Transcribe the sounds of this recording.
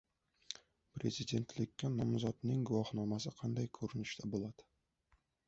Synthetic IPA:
pɾe̞zɪd̪e̞nt̪ʰlɪkʲːanɒmzɒt̪nɪŋɡʊwɒhnɒmasɪqʰɑnd̪ajkʰɵɾɪnɪʃt̪ʰabolˠad̪̥ɪ̥

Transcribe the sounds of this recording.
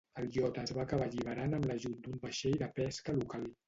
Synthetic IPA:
əlˠjɔt̪əːzβaːkəβaʎiβəɾanəmləʒut̪̚d̪umbəʃejðəpɛskəlukalˠ

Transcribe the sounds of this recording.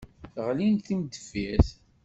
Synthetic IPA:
θʁlinθimd̪əfiθ

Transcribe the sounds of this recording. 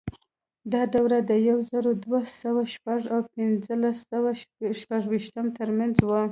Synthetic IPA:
d̪ɑd̪awɾad̪əjawzaɾod̪wasawaʃpaʐawpɪnzəlasawaʃpaʐwiʃt̪əmt̪əɾmanzwə

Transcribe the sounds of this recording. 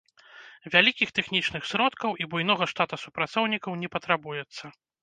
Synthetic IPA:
vʲalʲikʲixt̪ɛxnʲit͡ʂn̪ɨxsɾɔt̪kɐwʔibujn̪ɔɣɐʂt̪at̪usupɾat̪sɔwnʲikɐwnʲɛpɐt̪ɾabujɛt̪sːɐ

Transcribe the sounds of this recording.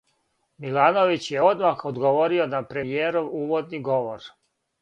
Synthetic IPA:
milaːno̞ʋit͡ɕjeo̞d̪maxod̪ɡoʋo̞ɾionapɾeijeːɾuuːʋo̞d̪niɡo̞ʋoɾ

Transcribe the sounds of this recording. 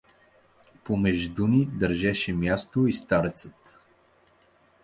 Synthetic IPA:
pomɛʒd̪unid̪əɾʒɛʃɛmjast̪oist̪aɾɛt̪sət̪

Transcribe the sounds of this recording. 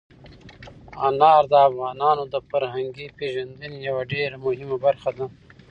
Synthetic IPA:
anɑːɾd̪əafɣɑːnɑːnod̪əfaɾɦaŋɡipeːʒand̪ənjɐwaɖeɾamʊɦimabɐɾxad̪a

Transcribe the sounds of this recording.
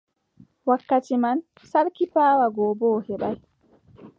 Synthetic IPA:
wakːatiman | saɾkipaːwaɡɔːbɔːhɛɓaj

